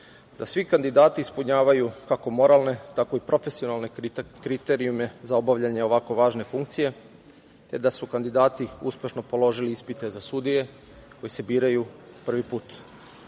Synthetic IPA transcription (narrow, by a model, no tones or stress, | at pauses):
d̪asʋikand̪id̪aːt̪iːspuɲaːʋajukako̞mo̞ɾalˠne̞t̪ako̞ipɾo̞fe̞sio̞nalˠne̞kɾit̪e̞ɾiume̞zao̞baʋʎaɲe̞o̞ʋako̞ʋaːʒne̞fuŋkt̪sije̞ | t̪e̞d̪asukand̪id̪aːt̪iuspʲje̞ʃno̞po̞lˠo̞ʒiliispit̪e̞zasud̪ije̞ | ko̞jise̞biːɾajupr̩ʋipuːt̪